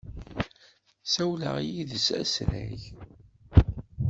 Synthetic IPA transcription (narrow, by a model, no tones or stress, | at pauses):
sæwlə̰ʁijiðəsæ̰sɾæʝ